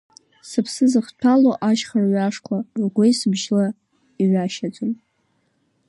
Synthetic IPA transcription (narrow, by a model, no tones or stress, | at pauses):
sɨpʰsɨzɨχtʷʰaloʔaʃχarɥaʂkʷʰarɡʷejsɨbʒla | iʕʷaʃat͡sʷʼon